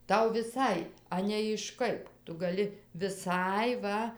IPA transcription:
ˈtɐʊ ʋʲɪˈsɐɪ ˈɑːnʲɛɪ ɪʃ ˈkɐɪp ˈtʊ ˈɡɑːlʲɪ ʋʲɪˈsɐɪ ˈʋɐ

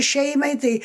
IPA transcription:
ˈʃʲɛɪmɐɪ ˈtɐɪ

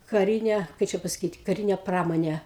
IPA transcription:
kɐˈrʲɪnʲeː ˈkɐɪ t͡ʃʲɛ pɐsɐˈkʲiːt kɐˈrʲɪnʲeː ˈprɑːmoːnʲeː

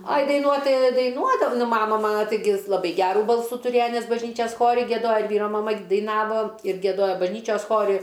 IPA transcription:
ɐj dɐɪˈnuɔt ˈtɐɪ dɐɪˈnuɔdɐw ˈnʊ ˈmɑːmɐ ˈmɑːnɐ tɐɪˈɡʲɪ lˠɐˈbɐɪ ˈɡʲæːruː ˈbɐlˠsuː tʊˈrʲeːjɛ ˈnʲɛs bɐʒʲˈnʲiːt͡ʃʲɛs ˈxoːrʲɪ ɡʲiɛˈdoːjɛ ɪr ˈʋʲiːroː mɐˈmɐ dɐɪˈnɑːʋoː ɪr ɡʲiɛˈdoːjoː bɐʒʲˈnʲiːt͡ʃʲoːs ˈxoːrʲɪ

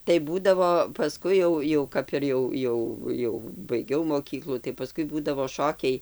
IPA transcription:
tɐɪ ˈbuːdɐʋoː pɐˈskʊɪ jɛʊ jɛʊ ˈkɐp ɪr jɛʊ ˈjɛʊ ˈjɛʊ jɛʊ bɐɪˈɡʲɛʊ moːˈkʲiːklˠuː tɐɪ pɐˈskʊɪ ˈbuːdɐʋoː ˈʃoːkʲɛɪ

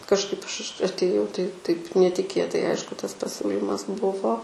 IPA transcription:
kɐʃˈkɐɪp ˈɐʃ ʃ ɐtʲeːˈjɛʊ tɐɪ tɐɪp nʲɛtʲɪˈkʲeːtɐɪ ˈɐɪʃkʊ ˈtɐs pɐˈsʲuːlʲiːmɐs ˈbʊʋoː

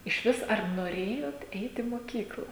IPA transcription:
ɪʃʲˈʋʲɪs ɐr noːˈrʲeːjoːt ˈɛɪt iː moːˈkʲiːklˠɐ

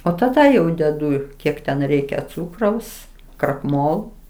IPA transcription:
oː tɐˈdɐ jɛʊ dʲɛˈdʊ ˈkʲiɛk tʲɛn ˈrʲɛɪkʲɛ ˈt͡suːkrɐʊs krɐkˈmoːlˠoː

